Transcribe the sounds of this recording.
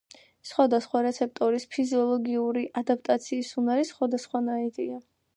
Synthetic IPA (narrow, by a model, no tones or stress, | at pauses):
sχwad̪asχwaɾɛt̪sʰɛp̚t̪ʼɔɾispʰiziɔlˠɔɡiuɾiʔad̪ap̚ʰt̪ʼat̪sʰiːsunaɾisχwad̪asχwanaid̪ia